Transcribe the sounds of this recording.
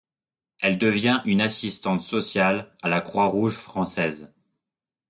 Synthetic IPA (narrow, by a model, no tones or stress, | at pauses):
ɛld̪əvjɛ̃ʔynasist̪ɑ̃t̪sɔsjalalakχwaʁuʒfχɑ̃sɛz